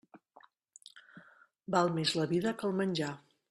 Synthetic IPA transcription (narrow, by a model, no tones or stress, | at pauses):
balˠmezləβiðəkəlˠmənʲʒa